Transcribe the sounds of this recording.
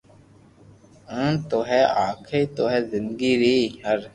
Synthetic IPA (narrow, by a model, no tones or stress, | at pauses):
ə̃t̪oɦeːaːkʰeːt̪oɦɛːzɪ̃nd̪ɡiːɾiːɦəɾ